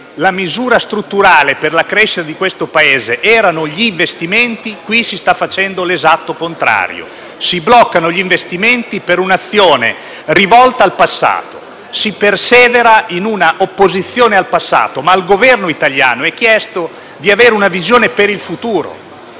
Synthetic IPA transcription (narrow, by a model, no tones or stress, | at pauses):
lamizuːɾast̪ɾut̪ːuɾaːleperlakɾeʃːit̪ad̪ikwest̪opaeːzeʔɛːɾanoʎiːɱvest̪iment̪ikwisist̪afːat͡ʃɛnd̪olezat̪ːokont̪ɾa̰ːɾjo̰ | siblɔkːanoʎiɱvest̪iment̪ipeɾunat̪sːjoːnḛ | rivɔlt̪aːlpasːa̰ːt̪o | sipersɛːveɾainunaʔopːozit̪sːjoːnealpasːa̰ːt̪omailɡovɛrnoit̪alja̰ːnoɛk̟ːjɛst̪o | d̪iaveːɾeunavizjoːnepeɾilfut̪uːɾo̰